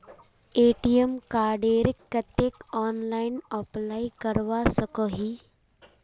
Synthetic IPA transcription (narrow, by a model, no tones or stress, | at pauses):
eʈijemkaːɾɖeɾikːət̪ekɔːnlainəplaikəɾʋasəkəɦiː